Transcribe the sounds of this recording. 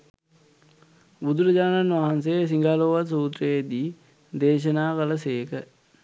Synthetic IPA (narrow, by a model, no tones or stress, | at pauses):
bud̪uɾɐd͡ʑaːnanʋaɦans̬esiŋɡaːloːʋasuːt̪rəed̪iː | d̪eːʃ̬ənaːkələseːkə